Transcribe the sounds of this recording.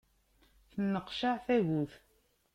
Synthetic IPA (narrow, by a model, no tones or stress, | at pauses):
θənːəqʃaʕθæʝuθ